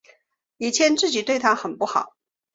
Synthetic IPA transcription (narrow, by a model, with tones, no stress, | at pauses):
i˨˩t͡ɕʰjɛ˧˥nt͡sɹ̩˥˩t͡ɕi˨˩t̪we˥˩ɪt̪ʰa˥xə˨˩npu˥˩xɑ˨˩˦ʊ